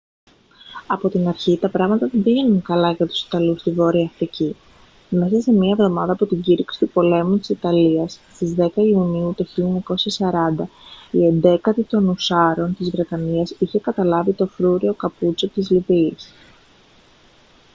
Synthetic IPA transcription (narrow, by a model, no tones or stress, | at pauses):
ɐpo̞t̪inɐɾçit̪ɐpɾɐɣmɐt̪ɐbiʝenunkɐlɐʝɐt̪u̥si̥t̪ɐlust̪ivo̞ɾiɐːfɾici | me̞sɐse̞mɲiɐevðo̞mɐðɐːpot̪iɲɟiɾiksi̥t̪upo̞le̞mut̪i̥sit̪ɐliɐsst̪izðe̞kɐiuniut̪oçiʎoɲɐko̞sçɐsɐɾɐnd̪ɐie̞nd̪e̞kɐt̪it̪o̞nusɐɾo̞nt̪izvɾe̞t̪ɐniɐsiçe̞kɐt̪ɐlɐvit̪o̞fɾuɾio̞kɐput͡sot̪izliviːs